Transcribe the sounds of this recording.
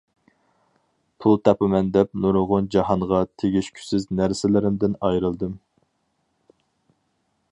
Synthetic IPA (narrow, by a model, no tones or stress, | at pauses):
pʰulˠt̪ʰɑpɨmɛnd̪ɛp̚nuɾʁʊnd͡ʒɑɦɑɴʁɑt̪ʰeɡʲiʃkʲʰy̥sɪznæɾsɪlɪɾɪmd̪ɪnɑjɾɨlˠd̪ɨm